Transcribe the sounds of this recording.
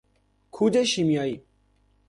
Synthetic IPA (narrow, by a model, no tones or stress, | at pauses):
kʰud͡ʑeɕimjaːi